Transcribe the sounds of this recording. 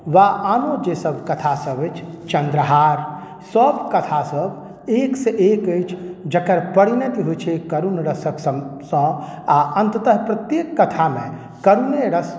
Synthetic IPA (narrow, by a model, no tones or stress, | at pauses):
ʋaʔanod͡ʒesəbʱkət̪ʰasəbət͡ʃʰt͡ʃə̃nd̪ɾəɦaɾ | səbʱkət̪ʰasəb | ekseʔekəjt͡ʃʰd͡ʒəkəɾpəɽinət̪iɦojt͡ʃʰɛkəɾunɾəsəksəsə̃aʔənt̪ət̪əɦpɾət̪jekːət̪ʰamẽ | kəɾuneɾəs